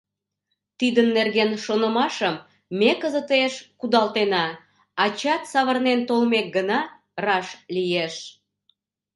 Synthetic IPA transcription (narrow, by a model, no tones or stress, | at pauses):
t̪id̪ənːerɣenʃonəmɑʃəmː | ekəzət̪eʃkud̪ɑlt̪enɑ | ɑt͡ɕɑt̪sɑβərnent̪olmek̚ɡənɑ | rɑʃlijeʃ